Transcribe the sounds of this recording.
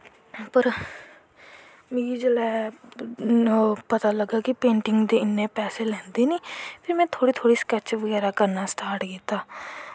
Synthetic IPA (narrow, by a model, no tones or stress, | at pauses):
pəɾ | mĩːd͡ʒəlɛː | opət̪aːləɡːaːkɪpẽːɳʈɪŋɡd̪eːɪnːeːpɛːseːlɛ̃ːnd̪iːniːpʰɪɾmɛ̃ːt̪ʰoːɽiːt̪ʰoːɽiːskɛt͡ʃʋəɡɛːɾaːkəɾnaːsʈaːɾʈkiːt̪ːaː